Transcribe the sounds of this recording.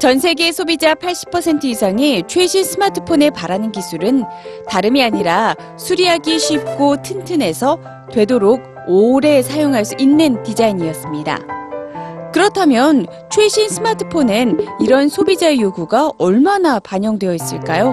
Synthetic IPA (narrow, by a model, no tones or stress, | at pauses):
t͡ɕʌnsʰe̞ɡe̞sʰobid͡ʑapʰaɭɕ͈i̥pʰʌsʰe̞ntʰɯisʰaŋet͡ɕʰwe̞ɕʰinsʰɯmatʰɯ̥pʰone̞paɾanɯnkisʰuɾɯntaɾɯmiaɲiɾa | sʰuɾiaɡiɕʰɥip̚k͈otʰɯntʰɯne̞sʰʌ | twe̞doɾoɡ̚ | oɾe̞sʰajoŋɦaɭs͈uʔinːɯntid͡ʑaiɲiʌs͈ɯmɲida̰ | kɯɾʌtʰamjʌn | t͡ɕʰwe̞ɕʰinsʰɯmatʰɯ̥pʰonɯniɾʌnsʰobid͡ʑaejoɡuɡaʌɭmanapaɲʌŋdwe̞jʌis͈ɯɭk͈ajo